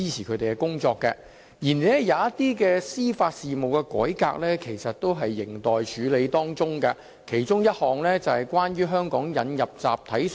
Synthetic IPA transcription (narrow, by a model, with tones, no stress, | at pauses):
iː˥t͡sʰiː˨˩kʰɵ˨˧˥t̪e˨˩kɛ˧kʊ˥ŋt͡sɔː˧kːɛ̰˧ | jiː˨˩n˨˦ɛ˥jaː˨˧ɐ˥t̪iː˥kɛː˧siː˥faː˧t̚siː˨mo˨wkɛ˧kɔ̰ː˨˥jka̰ː˧k̚lɛː˥kʰe˨˩jsɐ˨t̚t̪o˥wɦɐ˨jːɪ˨˩ŋt̪ɔː˨jt͡ʃʰyː˨˧le˨˧jt̪ɔː˥ŋt͡sʊ˥ŋkɐ˧ | kʰe˨˩jt͡ʃʊ˥ŋjɐ˥t̚hɔː˨ŋlɛː˥t͡sɐ˨hɐ˨˩jkwaː˥nɥyː˥ɦœː˥ŋkɔː˨˥ŋjɐ˨˧njɐ˨p̚t͡sa̰ː˨p̚t̪ʰɐ˨˥j